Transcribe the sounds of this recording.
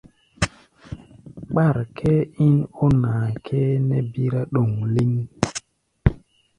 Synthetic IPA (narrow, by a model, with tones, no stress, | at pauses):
ɓa˦˨ɾkʰe˦i˦no˦naː˨kʰe˦ne˦bi˦ɾa˦ɗo˨ŋli˦ŋ